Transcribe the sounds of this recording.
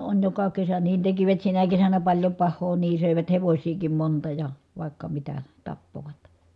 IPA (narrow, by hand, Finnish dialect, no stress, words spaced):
on jokɑ kesæ niːn tekiʋæt sinæ kesænæ pɑlʲjo pɑhˑoː niː søˑeʋæt heʋosʲiːkim montɑ jɑ ʋɑˑi̯kːɑ mitæ tɑpːoʋɑt